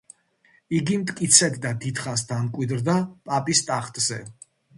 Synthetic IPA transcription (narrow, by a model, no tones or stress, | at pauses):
iɡimt̪ʼkʼit̪sʰɛt̪d̪ad̪it̪χasd̪amkʼwid̪ɾd̪apʼapʼist̪ʼaχt̪ʼz̥ɛ